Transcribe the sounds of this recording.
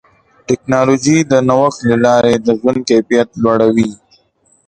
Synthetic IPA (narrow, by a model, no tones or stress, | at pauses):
ʈɪknɑlod͡ʒid̪ənawəxt̪lalɑɾed̪əzwʊnkajfijat̪lwaɽawi